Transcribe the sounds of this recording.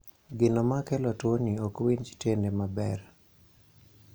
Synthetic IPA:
ɡɪnɔmakɛlɔtwoniokwiɲt͡ʃi̥tendemabɛr

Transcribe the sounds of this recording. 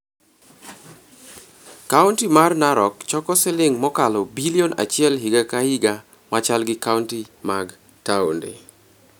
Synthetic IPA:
kauntimarnaɾɔkt͡ʃɔkɔsɪlɪŋmɔkalɔbiliona̰t͡ʃɪɛlɦiɡakahiɡa | mat͡ʃalɡɪkauntimaɡ | taondḛ

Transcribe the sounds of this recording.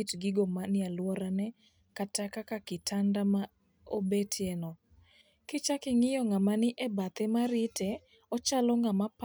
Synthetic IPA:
itɡɪɡomanɪalwɔɾanɛ | katakakakɪtʰandama | obetʰjɛnɔ | kɪt͡ʃakɪŋɪjɔŋamanɪʔebat̪ɛmaɾɪtɛ | ɔt͡ʃalɔŋamap

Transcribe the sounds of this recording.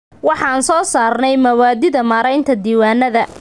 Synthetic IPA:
wɑħɑːnsɔːsaːrnɛjmɐwaːd̪ɪðɐmaːɾɛjnt̪ʰɐd̪iːwaːnːɐðɐ

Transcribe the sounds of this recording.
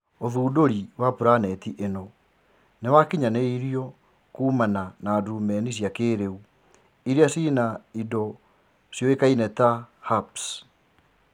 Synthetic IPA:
oðuːdoɾiwapuɾanɛtiʔenɔ | newakiɲaneiɾiɔ | kuːmananaːdumɛnis̬jakeːɾeu | iɾeasiːnaidɔ | sjɔekainɛtahaps

